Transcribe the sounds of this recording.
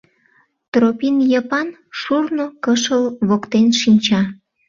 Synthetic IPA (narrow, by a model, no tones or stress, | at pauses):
t̪ropinjɑpɑn | ʃurnokəʃəlβokt̪enʃinʲt͡ɕɑ